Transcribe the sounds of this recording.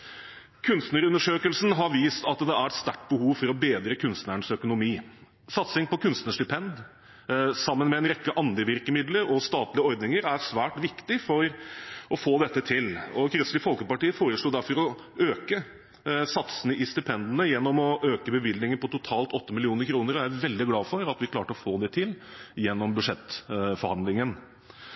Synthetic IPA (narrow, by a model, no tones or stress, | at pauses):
kʰʉnst̪nəɾʉnːəʂøːkəlsn̩ɦɑɾʋiːst̪ɑt̪d̪ɛæɾɛt̪st̪æʈːbəhuːʋfɔɾɔbeːd̪ɾəkʰʉnst̪nəɳəsœkʊnʊmiː | sɑt̪sɪŋpɔkʰʉnst̪nəʂt̪ɪpʰɛnd̪ | sɑmːənmɛɛnɾɛkːəʔɑnd̪əʋɪɾkəmɪd̪ləɾɔst̪ɑːt̪lɪəɔɾd̪nɪŋəɾæɾsʋæːʈʋɪkt̪ɪfɔɾɔfoːd̪ɛt̪ːət̪ʰɪlɔkʰɾɪslɪfɔlkəpɑʈiːəfoːɾəʂɭuːd̪æɾfɔɾɔ | øːkə | sɑt̪sənəʔɪst̪ʏpʰɛnd̪ənəjɛnːɔmɔʔøːkəbəʋɪld̪nɪŋənpɔt̪ʊt̪ʰɑːlt̪ɔt̪ːəmɪlɪuːnəɾkʰɾuːnəɾɔææʋɛld̪ɪɡlɑːfɔɾɑt̪ʋɪkʰlɑːʈəɔfoːd̪ɛt̪ʰɪljɛnːɔmbʉʂɛt̪ːfɔɾhɑnd̪lɪŋən